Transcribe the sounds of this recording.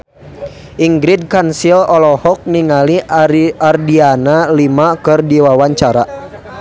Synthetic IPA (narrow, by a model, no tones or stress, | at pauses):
ʔiŋɡɾid̚kansilɔlɔhɔk̚niŋaliardianalimakɨrdiwawaɲt͡ʃaɾa